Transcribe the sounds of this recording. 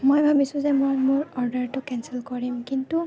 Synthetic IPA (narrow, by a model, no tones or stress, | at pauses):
mojbʱabisũzɛmojmʊɹɔɹdəɹtʊkɛnsilkɔɹimkintu